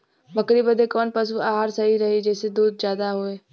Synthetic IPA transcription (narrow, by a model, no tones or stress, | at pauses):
bəkɾibəd̪ekɔːnpəs̬uaːɦaːɾsɐɦiɾɐɦid͡ʒɛːsed̪uːd̪̚d͡ʒjaːd̪aɦoːeː